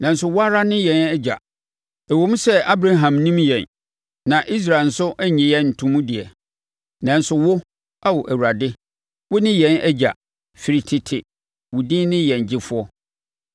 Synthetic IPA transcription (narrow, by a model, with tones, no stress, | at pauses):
nã˨n˦sʊ˦wʊ˦a˦ɾa˦nɪ̃˦jɛ̃˨˦nɛ˦d͡ʑa̰˨ | æ˨wo˨˦m̃˦sɛ˦a˦bɾa˨ɦã˨mnĩ˦mjɛ̰̃˨n | nã˨ʔi˦s̬ɾa˨n̩˨sʊ˦ʔæ˦ɲɛ̃˨jɛ˦n̩˨tʰũ˦mũ˦dɪ˨ɛ˨ | nã˨n̩˦sʊ˨wʊ˦ | a˦wɔ˨ʔæ˨wu˨ɾa˨dɪ˦ | wʊ˦nɪ̃˦jɛ̃˦nɛ˦d͡ʑa̰˨ | fi˨ɾi˨tʰɪ˨tʰɪ˨ | wʊ˨dĩ˦nɪ̃˦jɛ̃˨n˨d͡ʑɪ˦fʊ˦ɔ˦